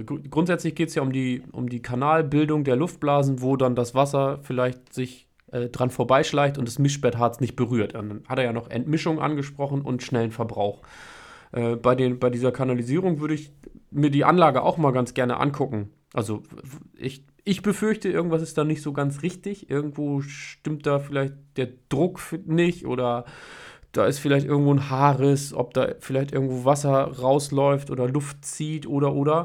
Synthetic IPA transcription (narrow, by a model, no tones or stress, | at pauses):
ɡʁʊntz̥ɛt͡slɪçɡ̥eːtəsjaːʊmdiːʔʊ̰mdiːkʰanaːlbɪldʊŋdeːɐlʊft̚b̥laːzn̩voːdandasv̥asɐfɪlaɪçtz̥ɪç | ʔɛːdʁanfoːɐbaɪʃlaɪçtʊntd̥asmɪʃb̥ɛɐtɦaɐt͡snɪçt̚b̥əʁyːɐtadanhateːjaːnɔχʔɛ̰ntmɪʃʊŋʔa̰nɡəʃpʁ̥ɔχn̩ʔʊ̰ntʃnɛlənfɛɐbʁa̰ʊx | ʔɛːb̥aɪdeːnbaɪdiːzɐkʰanaliziːʁ̞ʊŋvʏɐɾəɪçmiːɐdiːʔa̰nlaːɡəʔa̰ʊxmaːlɡant͡sɡ̥ɛɐnə̰ʔa̰nkʰʊkŋ̩ | ʔalzoʔɪ̰ç | ʔɪçb̥əfʏɐçtəɪɐɡŋ̩tv̥as̬ɪstd̥aːnɪçtz̥oːɡant͡sʁɪçtɪçʔɪɐɡŋ̩tv̥oːʃtɪmt̚d̥aːfɪlaɪçt̚d̥eːɐd̥ʁʊkfnɪçʔo̰ːɾɐ | d̥a̰ːɪstfɪlaɪçtʔɪɐɡŋ̩tv̥oːnhaːʁəsʔɔ̰p̚d̥a̰ːfɪlaɪçtʔɪɐɡŋ̩tv̥oːvasɐʁaʊslɔʏftʔo̰ːdɐlʊftt͡siːtʔoːɾɐʔoːɾɐ